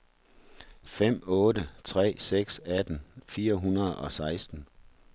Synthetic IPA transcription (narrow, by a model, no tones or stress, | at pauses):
fem̰ɔ̽ːdət͡sʰʁɛ̰ːseɡ̥sæd̥n̩fiːɐɦunɐð̩ˠɒ̽sɑ̈ɪsd̥n̩